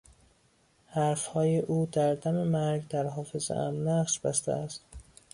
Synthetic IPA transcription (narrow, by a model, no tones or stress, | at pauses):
hæɾfhɒːjeʔuːd̪æɾd̪æmemæɾɡd̪æɾɦɒːfe̞zḛʔæ̰mnæʁʃb̥æst̪æ̰æst̪